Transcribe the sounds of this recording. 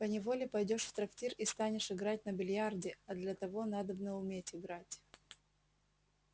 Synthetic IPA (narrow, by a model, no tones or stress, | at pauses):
pənʲɪvolʲɪpɐjdʲo̞ʂft̪ɾɐktʲirist̪anʲɪʂɪɡɾatʲnəbʲɪlʲjardʲɪɐd̪lʲɐt̪ɐvo̞n̪ad̪əbnəʊmʲetʲɪɡɾatʲ